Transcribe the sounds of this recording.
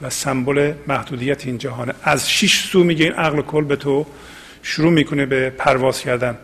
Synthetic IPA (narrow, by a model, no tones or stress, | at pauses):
væsæmbolemæhd̪uːd̪ijæt̪ʰeiːnd͡ʒæɦɒːneæzʃiʃsuːmiːɟeinʔæɣlokʰolbet̪ʰo | ʃuɾuːmiːkʰonebepʰæɾvɒːz̥cʰæɾd̪æn